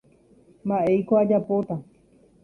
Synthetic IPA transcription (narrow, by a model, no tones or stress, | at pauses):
maʔejkoad͡ʒapot̪a